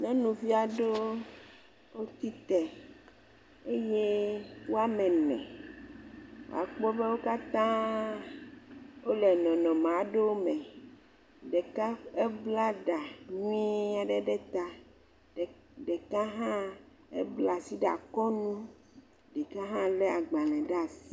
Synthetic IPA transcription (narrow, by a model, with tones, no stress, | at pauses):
nɛ̃˦nũ˨vi˦a˨ɖo˦ | o˦t̪i˦t̪ɛ˨ | e˦je˦wo˦a˦mɛ̃˨nɛ̰̃˨ | wo̰˨a̰˨k͡pɔ˦be˦wo˦ka˦t̪ã˦ | wo˦lɛ˨nɔ̃˨nɔ̃˨mã˨˦ɖe˦wo˦mɛ̃˨ | ɖe˨ka˦e˦bla˦ɖa˨nũ˦i˦a˨ɖe˦ɖɛ˦t̪a˦˨ | ɖe˨ka˦ɦã˦ | ḛ˦bla˨si˦ɖa̰˨kɔ˦nũ˦ | ɖɛ˨kã˦ɦã˦lɛ˦a˨ɡ͡bã˨lɛ̃˨ɖa˦˨si̥˦˨˦